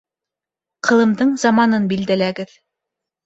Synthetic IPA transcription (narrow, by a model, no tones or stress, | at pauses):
qʰɤ̆lˠɤ̆md̪ɤɴzɑmɑnɤnbild̪ælæɡɘð